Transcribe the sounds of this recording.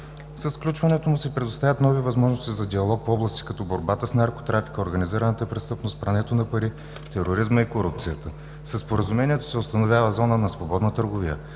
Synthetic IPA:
sɐsklʲut͡ʃvɐnɛt̪omusɛpɾɛd̪ost̪avʲət̪nɔvivɐzmɔʒnost̪izɐd̪ʲiɐlˠɔkfɔblˠɐst̪i̥kɐt̪ɔboɾbat̪əsnaɾko̥t̪ɾafi̥kəoɾɡɐniziɾənət̪əpɾɛst̪ɤpnost̪pɾɐnɛt̪onɐpɐɾi | t̪ɛɾoɾizməikoɾup̚t̪sijət̪ə | səspoɾəzumɛnʲiɛt̪o̥sɛost̪ɐnovʲjavəzɔnənɐsvobɔd̪nət̪əɾɡovijə̰

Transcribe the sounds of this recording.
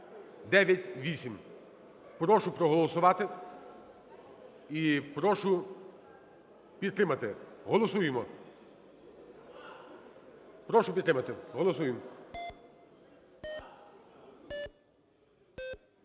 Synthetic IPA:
d̪ɛʋʲjɐtʲʋʲisʲim | pɾɔʃʊpɾɔɦɔlˠɔsʊʋɑt̪ɪ | ipɾɔʃʊ | pʲid̪t̪ɾɪmɐt̪ɪɦɔlˠɔsujemɔ | pɾɔʃʊpʲid̪t̪ɾɪmɐt̪ɪɦɔlˠɔsujɪm

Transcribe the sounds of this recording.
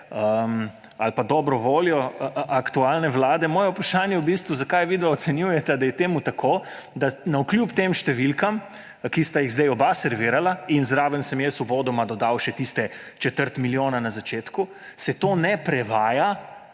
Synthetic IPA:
əm | alpad̪ɔːbɾɔʋoːljɔakt̪ualnɛʋlaːd̪ɛmɔːjɛupɾaʃaːnjɛwbist̪ʋuzakajʋiːd̪aɔt̪sɛnjujɛt̪ad̪ajɛt̪eːmut̪akʰoː | d̪anauklʲjuːpt̪eːmʃt̪ɛʋilkam | kist̪ajiɣzd̪ɛjɔbasɛɾʋiːɾalainzɾaʋənsəmjɛsʋɔboːd̪ɔmad̪ɔd̪awʃɛt̪ist̪ɛt͡ʃɛt̪əɾt̪miljoːnanazat͡ʃeːt̪ku | sɛt̪oːnɛpɾɛʋaːja

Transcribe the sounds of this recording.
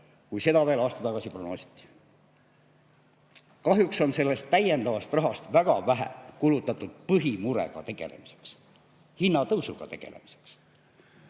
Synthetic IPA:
kujse̞d̪ɑveːlɑːst̪ɑt̪ɑɡ̥ɑsipronoːsi̥t̪ːˑi̥ | kɑɦjukso̞nse̞lːe̞st̪ːæje̞nd̪ɑvɑst̪rɑɦɑst̪væɡ̥ɑvæɦæ̰kulut̪ːˑɑt̪ːˑud̪̥pɤɦimuɾe̞̰ɡ̥ɑ̰t̪e̞ɡ̥e̞̰le̞̰mise̥ks | hinːɑt̪ɤwsuɡ̥ɑ̰t̪e̞ɡ̥e̞̰le̞̰mi̥se̥ks

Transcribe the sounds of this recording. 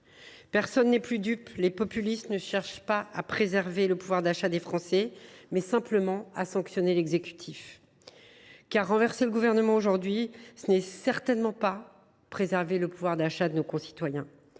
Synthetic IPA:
pɛʁsɔnːɛplyd̪yplepɔpylist̪nəʃɛʁʃpaapχezɛʁveləpuvwaʁd̪aʃad̪efχɑ̃sɛmɛsɛ̃pləmɑ̃asɑ̃ksjɔnelɛɡzekʲy̥t̪ʰif | kaʁːɑ̃vɛʁseləɡuvɛʁnəmɑ̃oʒuʁd̪ɥisənɛsɛʁt̪ɛnmɑ̃pa | pχezɛʁveləpuvwaʁd̪aʃad̪ənokɔ̃si̥t̪wajɛ̃

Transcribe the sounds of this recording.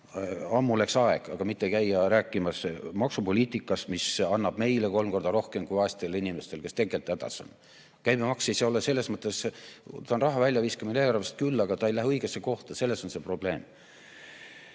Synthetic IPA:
ɑmːuleksɑeɡ̥ɑɡ̥ɑmit̪ːekæjːɑɾæːkːˑimɑsmɑksupo̞lʲiːt̪ikːˑɑsmisɑnːɑb̥me̞jleko̞lmko̞rd̪̥ɑɾo̞hke̞mkujɑːst̪elːinʲimest̪e̞lke̞st̪e̞ɡelt̪ːˑæd̪̥ɑ̰sɑ̰n | kæjmemɑksejseo̞lese̞lːe̞smɤt̪ːˑest̪ɑonrɑɦɑvælʲjɑviskɑmineːlɑrvest̪̚kylːɑɡ̥ɑt̪ɑejlæɦɤiɡ̥esːe̞ko̞ht̪ɑse̞lːeso̞nse̞pro̞b̥le̞ːm

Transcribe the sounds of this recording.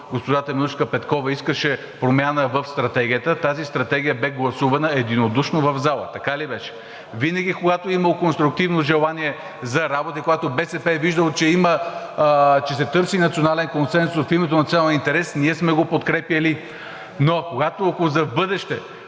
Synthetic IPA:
ɡospoʒat̪ɐmiut͡ʃkəpɛt̪kɔvɐiskəʃɛ | pɾomʲjanəvəfst̪ɾɐt̪ɛɡʲiət̪ət̪azist̪ɾɐt̪ɛɡ̟ʲijəbɛɡlˠɐsuvɐnəɛd̪inod̪uʃnovɐvzalˠə̰t̪ɐkalibɛʃɛ̥ | vinəɡ̟ʲikoɡat̪oimɐlˠkonst̪ɾuk̚t̪ivnoʒɛlˠaniɛ | zɐɾabot̪ikoɡat̪obɛsɛpɛviʒd̪əlˠt͡ʃɛimə | t͡ʃɛsɛt̪ɤɾsinɐt̪sionalɛnkonsɛnsʊsfimɛt̪̬onɐt̪sʲalˠint̪ɛɾɛsniɛsmɛɡopot̪kɾɛpjɐli | nokoɡat̪oɐkozɐvbɤd̪ɛʃt̪ɛ

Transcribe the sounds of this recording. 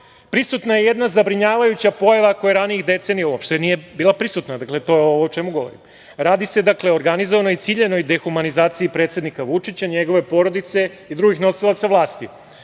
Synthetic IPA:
pɾisut̪naje̞jed̪nazabɾiɲaːʋajut͡ɕapo̞jaʋakojeɾaniixd̪e̞t̪senijauopʃt̪enije̞biːlˠapɾisut̪nad̪aklet̪o̞jeoʋoot͡ʃemuɡo̞ʋo̞̰ɾḭm | ɾaːd̪ise̞d̪akle̞oɾɡanizo̞ʋanoit̪siːʎe̞no̞jd̪exumanizaːt̪siipɾe̞ːt̪se̞d̪nikaʋut͡ʂit͡ɕaɲeɡo̞ʋe̞po̞ɾo̞d̪it̪se̞ | id̪ɾuɡixno̞silˠat̪saʋlˠaːst̪i

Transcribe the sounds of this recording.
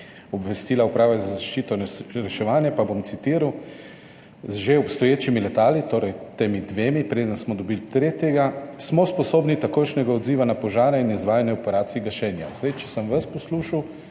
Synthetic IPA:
ɔbʋɛst̪iːlaupɾaːʋazazaʃt͡ʃiːt̪ɔɾɛʃɛʋaːnjapabomt̪sit̪iːɾaw | zʒeɔpst̪ɔjeːt͡ʃimilɛt̪aːlit̪oːɾɛjt̪eːmid̪ʋeːmipɾeːd̪ənsmɔd̪ɔbilt̪ɾeːt̪jɛɡasmɔspɔsoːbnit̪akoːjʃnɛɡaɔd̪ziːʋanapɔʒaːɾainizʋaːjanɛɔpɛɾaːt̪siɡaʃɛːnja̰zd̪ajt͡ʃɛ̥səmʋaspɔsluʃaw

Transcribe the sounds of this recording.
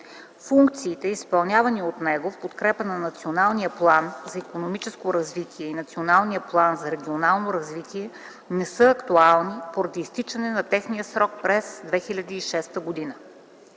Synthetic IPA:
fuŋkt̪siːt̪ɛispɐlˠnʲavɐniot̪nɛɡofpot̪kɾɛpənɐnɐt̪sionalˠnijəplˠanzɐikonomit͡ʃɛskoɾɐzvit̪ʰiɛinɐt̪sionalˠnijəplˠanzɐɾɛɡʲionalˠnoɾɐzvit̪ʰiɛ | nɛsɤɐkt̪ualˠnipoɾɐd̪iːst̪it͡ʃɐnɛnɐt̪ɛxnijəsɾɔk̚pɾɛsd̪vɛxilʲɐd̪iːʃɛst̪əɡod̪inə

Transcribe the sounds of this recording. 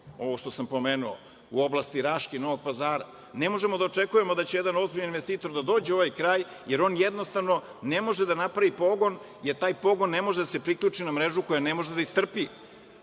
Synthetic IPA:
o̞ʋo̞ʃt̪o̞sampo̞meːnuo̰ | uoblˠast̪iɾaʃkino̞ʋo̞ɡ̚pazaːɾa | ne̞mo̞ʒemo̞d̪aot͡ʂe̞kuje̞mo̞d̪at͡ɕejed̪ano̞zbiʎaninʋe̞st̪iːt̪o̞ɾd̪ad̪o̞ːd͡ʑeo̞ʋajkɾaːj | je̞ɾo̞ːnjed̪no̞st̪aʋno̞ | ne̞mo̞ʒed̪anapɾaʋipo̞ɡo̞n | je̞ɾt̪aːjpo̞ɡo̞nːe̞mo̞ʒed̪ase̞pɾikʎʲuːt͡ʂinamɾe̞ʒuko̞jane̞mo̞ʒed̪aist̪r̩pi

